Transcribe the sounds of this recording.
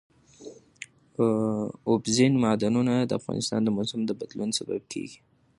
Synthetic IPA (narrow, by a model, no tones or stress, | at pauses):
ʊbzɪnmɑd̪anunad̪əafɣɑ̰nɪst̪ɑ̰nd̪əmʊsamd̪əbad̪lunsaba̰b̚kʰḛɡi̥